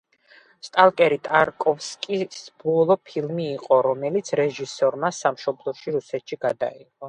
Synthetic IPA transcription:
st̪ʼalˠkʼɛɾit̪ʼaɾkʼɔfskʼisb̥ɔlˠɔpʰilˠmiːqʼɔɾɔmɛlit̪sʰɾɛʒisɔɾmasamʃɔblˠɔʃiɾusɛt̪ʃiɡad̪a̰iqʼɔ

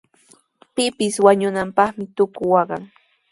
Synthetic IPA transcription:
pɪpɪswaɲʊnampɑχmɪt̪ʊkʊwɑɢɑŋ

